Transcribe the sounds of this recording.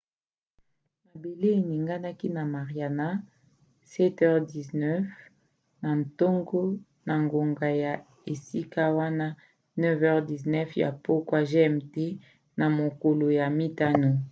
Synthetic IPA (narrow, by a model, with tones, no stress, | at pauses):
na˨be˨le˦e˨ni˨ŋɡa˦na˦ki˦na˨ma˨ʁija˨na˦ | sɛ˦tɛ˦ʁdi˨znɛ˦f | na˨n˨to˦ŋɡo˦ | na˨ŋɡo˨ŋɡa˨ja˨ | e˨si˦ka˦wa˦na˦ | nɛ˦vɛ˦ʁdi˨znɛ˦fja̰˨po˦kwa˦ʒe˦ɛ˦mte˦ | na˨mo˨ko˨lo˨ja˨mi˦ta˦no˨